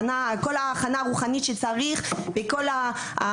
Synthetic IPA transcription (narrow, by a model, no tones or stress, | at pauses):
nako̞laːχanaːʁuχanitʃet͡saʁiχbeko̞la